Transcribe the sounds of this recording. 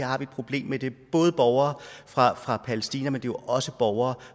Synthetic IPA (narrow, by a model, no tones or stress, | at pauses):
ɑ̈hɑ̈ʋied̥pʰʁo̝b̥le̝̰ːmːed̥e̝b̥ɔ̽ːð̞̩ˠb̥ɒʊɐːfʁɑ̈fʁɑ̈pʰæləsd̥iːnæmend̥e̝ʔɒ̽səb̥ɒʊɐː